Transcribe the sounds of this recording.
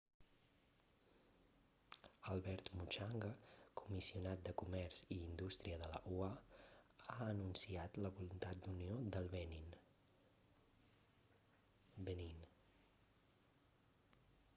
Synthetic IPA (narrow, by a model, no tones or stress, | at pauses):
əlˠβɛɾt̪mut͡ʃaŋɡəkumisiunat̪̚d̪əkumɛɾz̥iːnd̪ust̪ɾiəðələ̰ʔua | aənunsiat̪ləβulunt̪at̪̚d̪uniod̪əlˠβɛnin | bənin